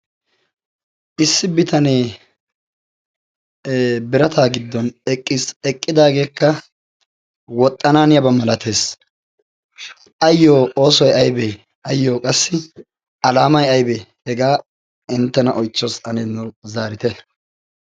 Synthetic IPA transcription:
ʔɪsːɪbɪt̪ʰɐneː | bɪɾɐt̪ʰaːɡɪd̪ːɔnɛkʼːɪsɛkʼːɪd̪aːɡe̞ːkːɐ | wɔt̪ʼːɐnaːnɪjɐbɐmɐlɐt̪ʰe̞ːs | ʔɐjːoːo̞ːsɔjɐjbɛ | ɐjːoːkʼɐsːɪ | ɐlaːmɐjɐjbɛhɛɡaː | ɪnt̪ːɛnɐʔɔjt͡ʃːosɐneːnɔzaːɾɪt̪ɛ

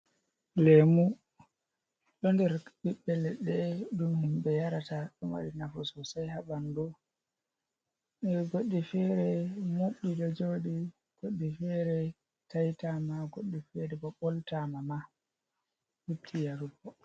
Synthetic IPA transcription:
lɛmu | ɗɔndɛɾɓiɓːɛlɛɗɛɗumhumbɛjaɾataɗɔmwa̰ɗinafusɔsajhabandu | ɛɡoɗːifɛɾɛmoɓːidɔd͡ʒoɗi | ɡ̥oɗːifɛɾɛ | tajtamaɡoɗːifɛɾɛbɔɓɔltamama | huptʰijaɾubɔ

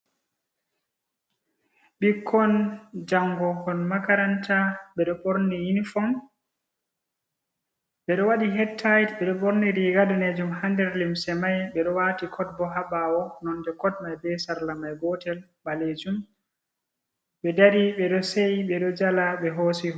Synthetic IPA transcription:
ɓikʰːɔnd͡ʒaŋɡɔhɔnmakaɾantaɓɛɗɔboɾnijinfɔn | ɓɛɗɔwaɗiɦɛtʰːajitbɛɗɔboɾniɾiɡadaned͡ʒumhandɛɾlimsɛmajɓɛɗɔwaːtikʰɔd̚bɔɦabawɔnɔndɛkɔd̚majbɛsaɾlamajɡɔtɛl | baled͡ʒum | ɓɛdaɾiɓɛɗɔsejɓɛɗɔd͡ʒalaɓɛɦosi

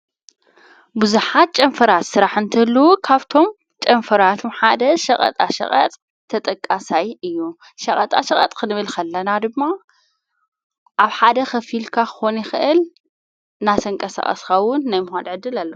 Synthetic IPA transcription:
buzuħat̪̚t͡ʃʼɐnfɐɾat̪sɨɾaħɨnt̪ʰɐlːuwukʰaβt̪ʰo̞m | t͡ʃʼɐnfɐɾat̪ʰomħad̪ɐʃɐkʼɐ̰t̪ʼa̰ʃɐ̰χʼɐ̰t̪ʼ | t̪ʰːɐt̪ʼɐkʼːasajɨjːu | ʃɐχʼɐt̪ʼa̰ʃɐχʼɐ̰t̪ʼkʰɨnɨβɨlkʰɐlːɐnad̪ɨmːa | ʔaβħad̪ɐxɐfilkʰakɨ̥xonjɪxɨʔɨl | nat̪ʰɐŋkʼɐsa̰χʼɐ̰skawʊnːajmʊxad̪ʕɨd̪ːɨlalːɐw

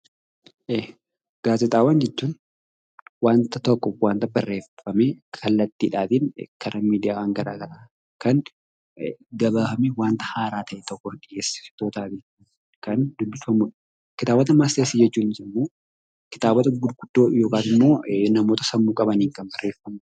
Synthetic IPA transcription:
ʔeː | ɡ̥aːzɛt̪ʼaːwaːnd͡ʒɛt͡ʃːuːn | waːnt̪ɐt̪ɐkːɔwaːnt̪ɐbɐrːe̞ːfɐmekʰɐlːɐt̪ːiːᶑaːt̪ɪnkʰɐɾɐmiːd̪ɪjaːwaŋɡɐɾa̰ːɡɐɾaː | kɐn | ɡɐbaːfɐmɛwaːnt̪ɐ̥haːɾaːt̪ɐʔɛt̪ɔkːɔᶑɪjeːsɪ̥t̪oːt̪aːt̪ɪ | kɐnd̪ʊbːɪfɐmʊᶑ̥ | kɪt̪aːbɐt̪ɐmast̪eɾsiːd͡ʒɛt͡ʃːuːnɪsɪmːo̞ː | kɪ̥t̪aːbɐt̪ɐɡʊd̪ɡʊd̪̥ːo̞ːjo̞ːkaːt̪ɪmːo̞ːnɐmo̞ːt̪ɐsɐmːuːkʼɐbɐniːŋkɐmbɐrːe̞ːfːɐmʊ

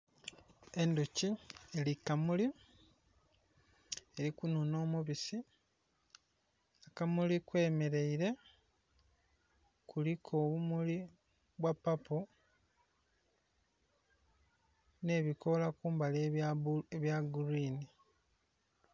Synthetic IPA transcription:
e̞nducielikamuli | eɾikununo̞ːmuβisi | akamulikwe̞ːme̞ɾe̞iɾe̞ | kulikʰo̞ːβumuli | βwapapo | ne̞ːβiko̞lakuːmbaleeβjaɡuɾiːni

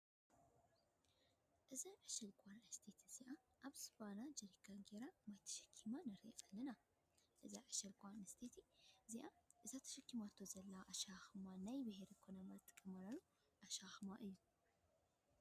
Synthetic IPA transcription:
ʔɨzaʕɨʃɐlɡʼanɐst̪ʰet̪ʰiz̥iʔaʔaβsbanad͡ʒɐɾikʰaŋɡeɾamajt̪ʰɐ̥ʃɐ̥kʰːimanɐɾeʔalːɐna | ʔɨzaʕɨʃɐlɡʼanɐst̪ʰet̪ʰiziʔaʔɨzat̪ʰɐ̥ʃɐkːimat̪ʰːozɐlːɐaʔɐʃaxɨmanajbɨɦeɾikʰonɐmazɨt̪ʼɨ̥kʼːɐmalalu | ʔaʃaxɨmaʔɨjːu

